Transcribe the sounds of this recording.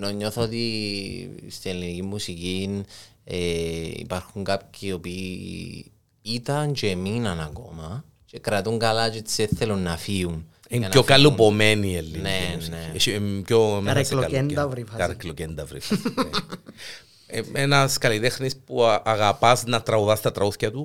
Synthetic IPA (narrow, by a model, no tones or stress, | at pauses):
noɲːoθoot̪i | st̪ielinicimːusicineḭpaɾxuŋkap̚ciopiː | it̪ɐnt͡ʃeminɐnɐko̞̰mɐ | t͡ʃe̞kɾɐt̪uŋɡɐlat͡ʃeseθelunːɐfiun | emnokalupomenielːinenecomeslolend̪ɐvɾifɐkɐɾeklocend̪ɐvɾḭfɐs | eenɐskɐlit̪exnispuaɣapɐznɐt̪ɾɐuðɐst̪ɐt̪ɾɐuθcɐt̪u